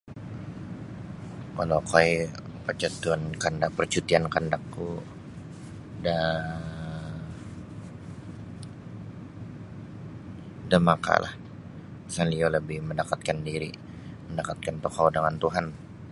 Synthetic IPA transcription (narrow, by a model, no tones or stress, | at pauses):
kalokajpərt͡ʃat̪uankandak̚pərt͡ʃut̪iankandakːu | da | damaka̰lʔa̰h | isanlialəbɪhməndakat̪̚kandiɾi | məndakat̪̚kant̪okaundaŋant̪uɦan